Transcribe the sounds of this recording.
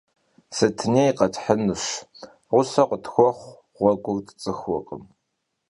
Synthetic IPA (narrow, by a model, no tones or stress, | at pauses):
sɐtʰɨneːjqɐtħənɨɕ | ʁʷʊsɐqʷʊtxʷɔχʷ | ʁ̥ʷɔɡʷʊrtʰt͡sʼɨxʷɔqʼəm